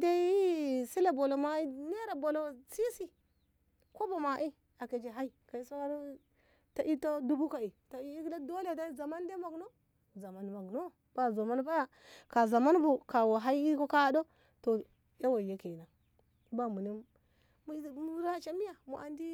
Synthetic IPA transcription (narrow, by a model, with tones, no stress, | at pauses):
de˦i˦si˦la˨bo˨lo˨ma˦i˦ne˦ɾa˨bo˨lo˨si˦si˦ | ko˦ba˨ma˨ʔi˦ | a˨ke˨d͡ʒe˨ɦa˦i˦ka˨i˦so˦wa˦ɾ | ta˨ʔi˦to˦du˦bu˦ka˨i˨to˨i˦i˦kla˦do˦le˦˨da˦za˨ma˦n˦de˦ma˨ɡno˦ | za˨ma˦n˦ma˨ɡno˦ | b̥a˦zo˨ma˦n˦ba˦ja˦ | ka˨za˨ma˦nbu˨ka˨wa˨ɦa˦i˦i˦ko˦ka˦do˦ | to˨ | ja˦wa˨je˦ke˨na˨ | i˦ba˦mu˨ni˦m | m˦˨m˦ɾa˦t͡ʃa˦mi˦ja˨mu˨ʔa˨ndi˦